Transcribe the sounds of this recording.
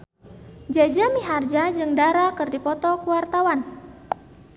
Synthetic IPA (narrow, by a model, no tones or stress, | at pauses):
d͡ʒad͡ʒamiɦard͡ʒad͡ʒɨŋdaɾakɨrdipɔt̪ɔkuwart̪awan